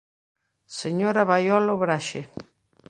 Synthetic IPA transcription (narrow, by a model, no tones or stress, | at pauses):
seɲoɾaβajɔloβɾaʃe